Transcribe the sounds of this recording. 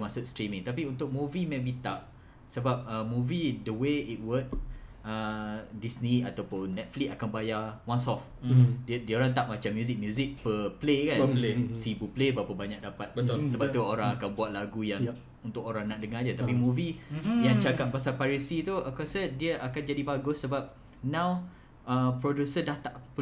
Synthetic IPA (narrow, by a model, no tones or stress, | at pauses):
masʊt̪st̪ɾimĩŋt̪ap̬iunt̪ʊk̚mũvimɛ̃bit̪ap̚ | səbap̚əmũvidəweit̪̚wət̚ədisniat̪awpʊnːɛt̪̚flikakanbajawãnsɔf | ddioɾaŋt̪aʔ̚mat͡ʃamːjuzik̚mjuzik̚pəplekanesibuplebaapabaɲãk̚dapat̪̚səbat̪uoɾãŋakanbuat̪̚laɡujaŋ | unt̪ʊkoɾaŋnaʔ̚dəŋad͡ʒat̪apimũvijaŋt͡ʃakap̚pasalpaɾisit̪uʔəkuasədiəʔakand͡ʒadibaɡʊsːəbap̚ | nãw | əpɾodjusədaht̪aʔp